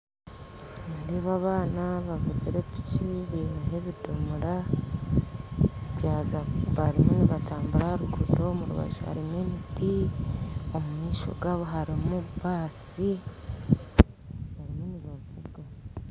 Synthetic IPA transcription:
neːndeβaβaːnaβavuziɾepit͡ʃiβinaɦeβidomuɾa | eβjaːzaβaɾimuniβataːmbuɾahaɾuɡudo̞muɾṵβa̰ʒo̰ha̰ɾimemiti | o̞mumiːʃo̞̰ɡaːβo̞ɦaɾimuβaːsi | βaɾimuniβovuɡa

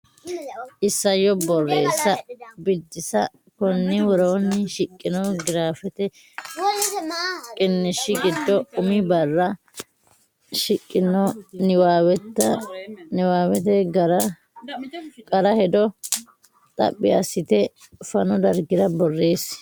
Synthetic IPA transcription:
ɪsːɐjːɔbɔrːe̞ːsːɐbɪd̪ːɪsɐ | kɔnːɪwɔɾoːnːɪʃɪkʼːɪnɔɡɪɾaːfɛt̪ɛ | kʼɪnːɪʃɪɡɪd̪ːɔʊmɪbɐrːɐ | ʃɪkʼːɪnːɔnɪwawɛt̪ːɐnɪwaːwɛt̪ɛɡɐɾɐ | kʼɐɾɐhɛd̪ɔ | t̪ʼɐ̰pʼːɪɐsːɪt̪ɛ | fɐnɔd̪ɐɾɡɪd̪ɐbɔrːe̞ːs

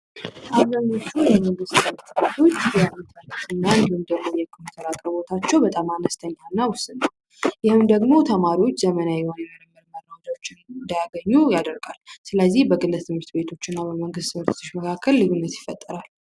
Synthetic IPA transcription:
ʔazəɲot͡ʃːujɛməŋɡɨst̪ɨmɨɾt̪bet̪ʰo̞t͡ʃːbɛmit̪ʰəntɨnːand̪ɨmd̪əɡmojɛkʰomit̪ʰəɾakʼɾəbo̞t̪ʰat͡ʃːɛwbət̪ʼamanəst̪ʰəɲːhanːawʊst̪ʼɨnə | jɪhɨmd̪əɡmo̞t̪ʰəmaɾiwo̞t͡ʃːzəmənajɛhonjɛməɾəməɾməɾawod͡ʒ̪ot͡ʃːɪnnd̪ajaɡəɲːujad̪əɾɡalsɨləzːihbəkʼɨlːɨt̪ʰɨmɨɾt̪be̞t̪ʰo̞t͡ʃːɪnːabəməŋɡɨst̪ɨməɾt̪ʰt̪ʰɨʃməkʰakʰːəlːɨɡunːət̪jɪfət̪ʼːəɾal

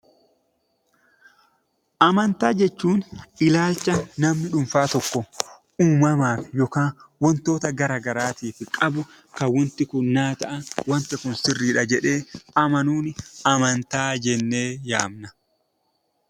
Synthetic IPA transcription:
ʔɐmɐnt̪aːd͡ʒɛt͡ʃːuːnɪlaːlt͡ʃːɐnɐmnɪᶑʊmfaːt̪ɔkːɔ | uːmɐmaːfɪ̥jɔkaːnwɔnt̪o̞ːt̪ɐɡɐɾaːɡɐɾaːt̪iːfɪkʼɐbʊ | kɐwɔnt̪ɪkʊnːaːt̪ɐʔɐnwɐnt̪ɪkʊnsɪrːiːᶑɐd͡ʒɛᶑe̞ːɐmɐnuːnɪɐmɐnt̪aːd͡ʒɛnːe̞ːja̰ːmnɐ

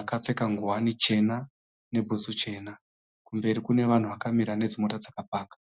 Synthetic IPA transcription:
akap͡fe̞kaŋɡuwanit͡ʃe̞na | ne̞bʱusut͡ʃe̞ːna | kumbe̞ɾikune̞ʋan̤uʋakamiɾane̞d͡zimo̞tad͡zakapaːkḁ

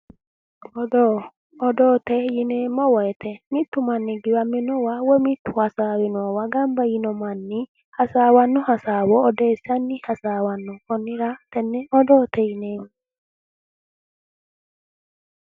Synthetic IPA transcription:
ɔdɔː | dɔt̪ɛjinɛmɔwɛt̪ɛmit̪ːumanːiɡiwaminɔwawɛmit̪ːuhasawinwɔwaɡambajinɔmanːi | hasawanːɔhasawɔːdɛsanːihasawanːɔkɔnːiɾat̪ɛnːɛɔdɔt̪ɛjinɛm

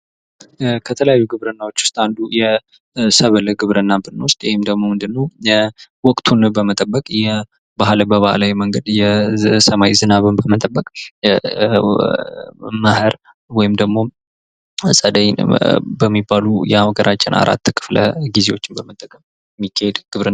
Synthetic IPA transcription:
kʰət̪ʰələjajːuɡɨβɾənːawo̞t͡ʃːwʊ̥st̪ʼand̪ujɛ | səβələɡɨβɾənːabɨnːəwʊst̪ʼjɛhɪmd̪əɡmo̞mɨnd̪ɨnːəw | wɔkʼt̪ʰunbəmət̪ʼəbːəkʼjɛ | baɦləbəβahlajməŋɡəd̪jɛsəmawizɨnaβɨnbəmət̪ʼəbːəkʼ | məhɨɾ | wɔjɪmd̪əɡmo̞ | sʼəd̪əjbəmːibːalujɛaɡəɾʔat͡ʃʼːɪnʔa̰ɾa̰t̪ːkʰɨ̥flə̰ɡizewo̞t͡ʃːɪnbəmət̪ʼːəkʼəm | mːikʰːahed̪ɡ̥ɨβɾɨn

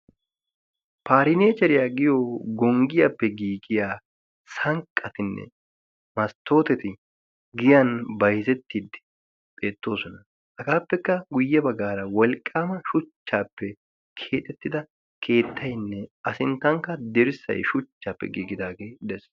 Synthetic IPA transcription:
paːɾɪneːt͡ʃɛɾɪjaːɡɪjoɡɔŋɡɪjapːɛɡiːɡɪjaː | sɐŋkʼːɐt̪ɪnːɛ̰ | mɐst̪ːo̞ːt̪ɛt̪ɪ | ɡɪjɐnbɐjzɛt̪ːid̪ɪ | pʼe̞ːt̪ːo̞ːsɔnɐ | hɐɡaːpːɛkːɐɡʊjːɛbɐɡaːɾɐwɔlkʼːaːmɐʃʊt͡ʃːaːpːɛ | kʰeːt̪ʼɛt̪ːɪd̪ɐ | kʰe̞ːt̪ʰːɐjnːɛɐsɪnt̪ːɐŋkːɐd̪ɛɾɪsɐ̰jʃʊt͡ʃːaːpːɛ̰ɡiːɡɪd̪aːɡe̞ːd̪ɛs

